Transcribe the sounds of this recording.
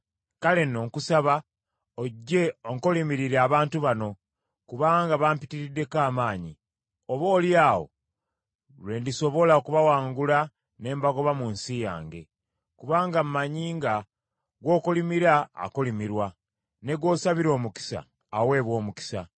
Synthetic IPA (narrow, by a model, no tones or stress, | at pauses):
kale̞no̞ːŋkusaβa | oɟːe̞oŋkolimiɾiɾeaβaːntuβano̞ | kuβaːŋɡaβaːmpitiɾidːe̞kaːmaːɲi | oβo̞ːljaːwo̞̰ | lwe̞ndiso̞βo̞laokuβawaːŋɡula | ne̞ːmbaɡo̞βamuːnsija̰ːŋɡe̞̰ | kuβaːŋɡamumaɲiːŋɡa | ɡwo̞ːkulimiɾa̰ːkulimiɾwa | ne̞ɡwo̞ːsaβiɾo̞ːmuki̥sa̰ː | we̞ːβwo̞ːmuki̥sa̰